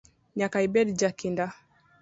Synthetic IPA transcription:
ɲakaibɛdd͡ʒakinda

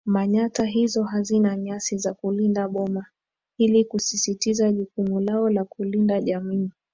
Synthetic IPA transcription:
maɲataɦizɔɦazinaɲasizakulindaɓɔma | ilikusisitizaʄukumulaɔlakulindaʄamiː

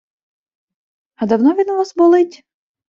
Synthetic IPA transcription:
ɐd̪ɐwnɔʋʲinʊʋɔsbʊlˠɪtʲ

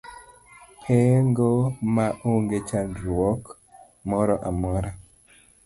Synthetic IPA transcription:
heŋɡomaʔoŋɡet͡ʃanɾwɔk | mɔɾɔʔamɔɾa

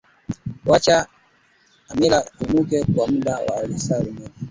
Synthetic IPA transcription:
wat͡ʃaː | mɛlaumukɛkwam̩ɗawa̰ːlisaɾimɛni

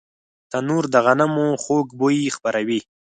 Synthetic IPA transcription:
t̪anuɾd̪əɣanamuxokboixpaɾawi

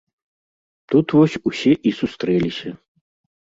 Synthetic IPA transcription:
t̪ut̪vɔsʲusʲɛʔisust̪ɾɛlʲisʲɐ

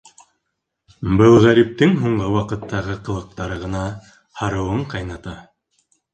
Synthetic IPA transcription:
bɤlˠʁæɾip̚t̪ɘŋɦuɴʁɤwɑqɤ̆t̪ːɑʁɤqɤ̆lˠɤ̆q̚t̪ɑɾɤʁɤ̆nɑ | hɑɾɤ̆wɤɴqɑjnɑt̪ɑ

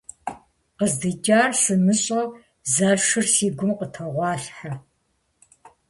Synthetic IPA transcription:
qəzdɨd͡ʒʼaːrsɨmɨɕʼɐ | zaːʂɨrsiːɡʷʊmqətʰɐʁʷɑːɬħa

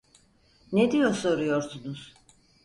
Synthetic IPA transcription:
ned̪ijo̞ɾso̞ɾujoɾsunuz̥

